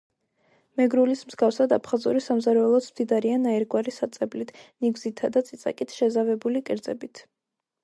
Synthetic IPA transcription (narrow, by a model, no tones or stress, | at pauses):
mɛɡɾulismzɡafsad̪apʰχazuɾisamzaɾɛɛlˠɔt̪smd̪id̪aɾianaɛɾɡwaɾisat̪sʼɛblit̪ʰniɡzit̪ʰːad̪at̪sʼit̪sʼa̰kʼit̪ʰʃɛzavɛbulikʼɛɾd̪zɛ̰bit̪ʰ